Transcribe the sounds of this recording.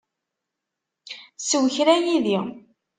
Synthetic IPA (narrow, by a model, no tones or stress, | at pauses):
swçɾæjiði